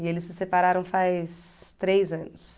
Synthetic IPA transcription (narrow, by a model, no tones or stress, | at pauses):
ɪelɪsːɪsepaɾaɾɐ̃w̃fajst̪ɾejzɐ̃nʊs